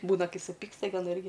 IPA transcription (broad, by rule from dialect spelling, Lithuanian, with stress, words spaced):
ˈbuːnɐ ˈkɐɪ sʊˈpʲɪkstɐ ɡʲɪ ɐˈnɐ ˈɪrʲɡʲɪ